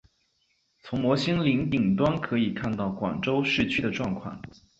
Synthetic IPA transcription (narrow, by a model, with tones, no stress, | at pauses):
t͡sʰʊ˧˥ŋmwɔ˧˥ɕi˥ŋli˧˥ŋt̪i˨˩ŋt̪wa˥nkʰɤ˧˥i˨˩kʰa˥˧nt̪ɑ˥˩ʊkwa̰˨˩ŋʈ͡ʂo˥ʊʂɻ̩˥˩t͡ɕʰy˥d̪ə˨ʈ͡ʂwɑ˥˧ŋkʰwɑ̰˥˩ŋ